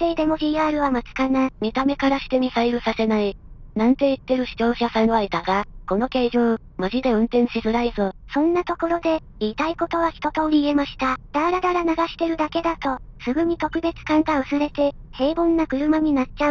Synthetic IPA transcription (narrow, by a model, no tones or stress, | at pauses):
t̪eid̪e̞mo̞ʑʲiːaːɾɯ̟βamat͡sɨ̥kanamʲit̪ame̞kaɾaɕi̥t̪e̞mʲisaiɾɯ̟sase̞nainãnt̪e̞it̪ːe̞ɾɯ̟ɕi̥t͡ɕo̞ːɕasãoaid̪aɡako̞no̞ke̞ːʑoː | maʑid̪e̞ɯ̟̃nt̪ẽ̞ɰ̃ɕizɨɾaizosõ̞nːat̪o̞ko̞ɾo̞d̪e̞ | iːt̪aiko̞t̪o̞β̞açʲi̥t̪o̞t̪o̞ːɾʲiːe̞maɕi̥t̪ad̪̥aːɾad̪aɾanaɡaɕi̥t̪e̞ɾɯ̟d̪ake̞d̪at̪o̞sɨɡɯ̟ɲ̟it̪o̞kɯ̟be̞t͡sɨ̥kãŋɡaɯsɨɾe̞t̪e̞ | he̞ːbõ̞nːakɯ̟ɾɯ̟maɲ̟inatt͡ɕaɯ̟